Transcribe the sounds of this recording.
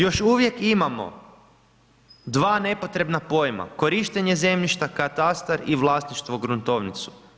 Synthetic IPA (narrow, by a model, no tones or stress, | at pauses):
jo̞ʃuʋje̞kimamo̞̰ | d̪ʋaːne̞po̞t̪ɾe̞bnapo̞jma̰ko̞ɾiʃt̪eɲe̞ze̞mʎiʃt̪akat̪ast̪aɾiʋlˠasniʃt̪ʋoɡɾunt̪o̞ʋnit̪su̥